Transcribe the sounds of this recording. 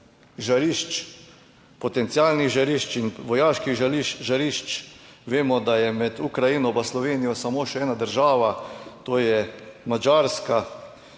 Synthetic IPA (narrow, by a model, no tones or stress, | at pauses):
ʒaɾiʃt͡ʃ | pɔt̪ɛnt̪siaːlnixʒaɾiʃt͡ʃinʋɔjaːʃkixʒaliʃʒaɾiʃt͡ʃʋeːmɔd̪ajɛmɛd̪ukɾajinɔbaslɔʋeːnijɔsamoːʃɛɛːnad̪əɾʒaːʋat̪oːjɛmad͡ʒaɾska